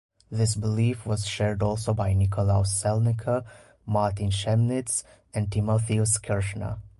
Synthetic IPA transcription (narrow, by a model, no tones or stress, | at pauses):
ðɪsbɪliːfʋɔzʃɛːɾɖɔːlˠsobaɪnɪkʰolaʊsɛlnɪkʰə | maːɾt̪ĩnʃɛmnɪts | ɛ̃nɖ̚ʈimoθiuskʰɛɹʃnə̰